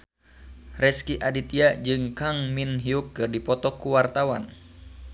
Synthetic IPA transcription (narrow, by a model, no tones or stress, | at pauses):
rɛskiʔadit̪iad͡ʒɨŋkaŋminɦiukːɨrdipɔt̪ɔkuwart̪awa̰n